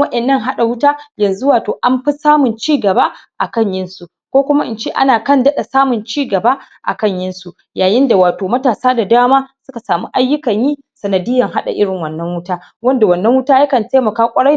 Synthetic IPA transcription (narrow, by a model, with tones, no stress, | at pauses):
wɐ˦ʔɛ˨nːɐ˦˨ŋɦa˦ɗa˨wʊ˦taː˦jɐ˨nzu˦waː˨toː˨ʔa˦mɸɪ˦saː˦mʊ˨nt͡ʃiː˦ɡɐ˨baː˦ʔa˨kɐ˦˨ɲjɪ˦nsu˨ | kʷoː˦kʷʊ˦ma˦ʔɪ˨nt͡ʃeː˦ʔa̰˦naː˨kɐ˦ndɐ˦ɗa˨saː˦mʊ˨nt͡ʃiː˦ɡɐ˨baː˦ | ʔa̰˨kɐ˦˨ɲjɪ˦nsu˨ | jaː˨jɪ˦nda˨waː˨toː˨mɐ˦taː˨saː˦da˨daː˦maː˦sʊ˦ka˨saː˨mu˦ʔa˦jːʊ˦kɐ˨ɲjiː˦ | sɐ˨nɐ˨dɪ˦jːɐ˨ŋɦa˦ɗa̰˨ʔɪ˦ɽɪ˨ŋwɐ˨nːɐ˦ŋwʊ˦taː˦ | wɐ˦nda˨wɐ˨nːɐ˦ŋwʊ˦taː˦jɐ˦kɐ˨nte˦mɐ˨kaː˦kʷʼɐ˦ɽa˦